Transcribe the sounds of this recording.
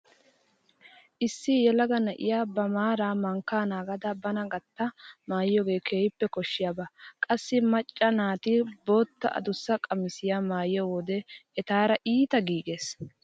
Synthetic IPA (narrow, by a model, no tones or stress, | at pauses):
ʔɪsːɪjɛlɐɡɐnɐʔɪ̰jaːbɐmaːɾaːmɐŋkːaːnaːɡɐd̪ɐbɐnɐɡɐt̪ːɐmaːjjoːɡe̞ːkʰeːjɪpːɛkɔʃːɪjaːbɐkʼɐsːɪmɐt͡ʃʼːɐnaːt̪ɪboːt̪ːɐ̰ʔɐ̰d̪ʊsːɐkʼɐmɪsɪjaːmaːjɪjɔwɔd̪ɛɛt̪aːɾɐʔiːt̪ɐɡiːɡeːs